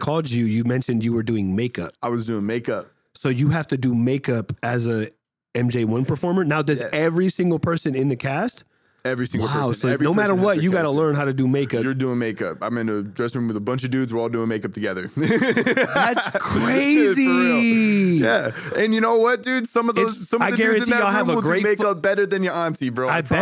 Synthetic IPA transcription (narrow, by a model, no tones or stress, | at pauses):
kʰɔlˠd͡ʒjɨjɨmɛ̃nʃɨ̃ndjɨwə˞dʉɪ̃ŋmeɪkʌ̰p̚aɪwʌzdʉɪ̃ŋmeɪkʌp̚ | soʊjɨɦæftɨdɨmeɪkʌpɨzə | ɛ̃md͡ʒeɪwʌ̃npʰə˞fɔɹmə˞naʊðə˞zzɛvɹisɪ̃ŋɡl̩ˠpʰɜ˞sɨ̃nɨ̃nðɨkʰæst̚ | ɛvɹisɪ̃ŋwɡl̩ˠaʊsoɹnoʊmæɾə˞wʌtjɨɡɑɾəlɜ̃˞nɦaʊɾɨdɨmeɪkʌjə˞dʉɪ̃ŋmeɪkʌ̰pãɪmɨ̃nɨdɹɛsɨ̃mwɨðəbʌ̃nt͡ʃʌvdʉdzwə˞ɔlˠdʉɪ̃ŋmeɪkʌp̚tʰɨɡɛðə̰˞ | ðætskʰɹɹ̥eɪzi | jæɨ̃njɨnoʊwʌt̚d̥ʉdz̥sʌ̃mʌvðoʊzsʌ̃maɪɡɛɹ̃ɨ̃ntʰiaɪlˠəvəɡɹeɪmeɪkʌp̚b̥ɛɾə˞ðɨ̃njə˞ɑ̃ntʰibɛaɪ